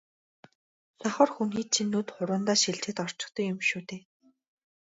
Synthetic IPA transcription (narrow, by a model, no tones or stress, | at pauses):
saχɔːrxuniːt̪t͡ɕʰinːuːt̪χʊɾʊːnt̪aːʃiɮt͡ɕĕːt̪ɔr̥t͡ɕɪ̆k̚t̪ə̆kʊmʃuːt̪eː